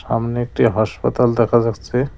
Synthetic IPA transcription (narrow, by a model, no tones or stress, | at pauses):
sa̰mneek̚ʈiɦaspət̪ald̪ekʰasəkt͡ʃʰe